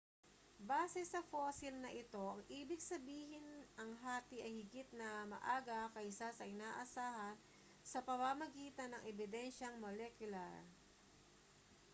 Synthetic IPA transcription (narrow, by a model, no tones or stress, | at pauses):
baːsɛsɐfoːsɪlnɐʔɪt̪o̞ʔɐŋʔiːbɪɡsɐbiːɦɪnʔɐŋɦaːt̪ɪʔɐjhɪɡɪt̪̚nɐmɐ̰ʔaːɡɐkɐʔsasɐʔɪnaːʔɐsaːhɐn | sɐpɐmamɐɡiːt̪ɐnːɐŋʔɛbɪd̪ɛnʃɐŋmolɛkjʊlaɹ